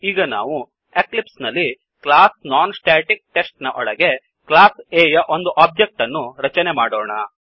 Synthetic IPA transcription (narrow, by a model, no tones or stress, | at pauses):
iːɡɐna̰ːʋu | eklipsnɐlːi | klaːsnaːnsʈaːʈik̚ʈe̞sʈnɐʔɔɽɐɡe̞ | klaːseːjɐʔo̞nd̪uʔaːb̚d͡ʒek̚ʈɐnːuɾɐt͡ʃɐnemaːɽɔːɳɐ